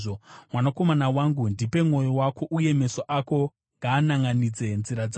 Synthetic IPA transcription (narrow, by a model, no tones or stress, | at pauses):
omwanako̞manawaŋɡundipe̞mŋo̞jowako̞ʔuje̞me̞soʔako̞ | ŋɡaːnaŋɡanid͡ze̞nziɾad͡za